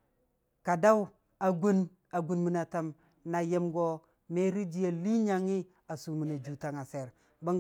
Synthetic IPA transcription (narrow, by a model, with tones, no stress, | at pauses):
ka˨da˦w | a˨ɡu˦n | a˨ɡu˨nmi˨na˨ta˨m | na˨je˦mɡo˦ | me˦ɾi˦d͡ʒi˨ja˨li˦ɲa˦ŋi˦ | a˨su˨mi˨na˨d͡ʒu˨ta˨ŋa˨se˨ɾ | ba˦ŋ